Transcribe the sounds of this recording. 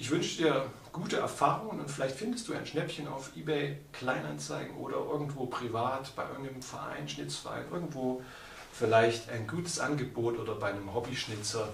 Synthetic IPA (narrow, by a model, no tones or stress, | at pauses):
ʔɪçv̥ʏnʃədiːɐ | ɡ̥uːtəʔɛ̰ɐfaːʁʊŋənʊntfɪlaɪçtfɪndəstd̥uːaɪnʃnɛpçəna̰ʊfʔiːbɛɪkʰl̥aɪna̰nt͡saɪɡŋ̩ʔo̰ːɾɐ̰ʔɪɐɡŋ̩tv̥oːpʁ̥ivaːtb̥aɪʔɪ̰ɐɡŋ̩nəmfɛɐʔa̰ɪnʃnɪt͡sfɛɐʁʔa̰ɪnʔɪɐɡŋ̩tv̥oː | fɪlaɪçtaɪnɡuːtʰə̥sʔa̰nɡəboːtʔoːdɐbaɪnəmɦɔbiʃnɪt͡sɐ